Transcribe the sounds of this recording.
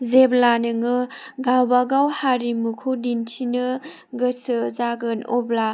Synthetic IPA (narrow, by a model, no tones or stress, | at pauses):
zeblanɯŋɯɡawbaɡawhaɾimukʰudintʰinɯ | ɡɯsɯzaɡɯnɔbla